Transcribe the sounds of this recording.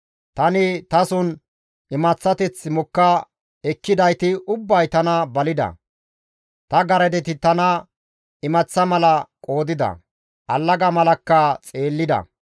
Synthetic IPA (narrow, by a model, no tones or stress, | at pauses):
t̪ɐnɪt̪ɐsʊn | ɪmɐt͡sːɐt̪ɛt͡sːmʊkːɐ | ɛkːɪd̪ɐjt̪ɪʊbːɐjt̪ɐnɐbɐlɪd̪ɐ̰ | t̪ɐɡɐɾɛd̪ɛt̪ɪt̪ɐnɐ | ɪmɐt͡sːɐmɐlɐkʼo̞ːd̪ɪd̪ɐ̰ | ʔɐlːɐɡɐmɐlɐkːɐt͡sʼe̞ːlːɪd̪ɐ̰